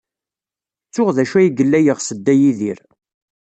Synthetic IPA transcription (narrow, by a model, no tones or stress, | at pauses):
t͡sːʊʁðæʃæjiɡəlːæjəʁsəd̪ːæjiðiɾ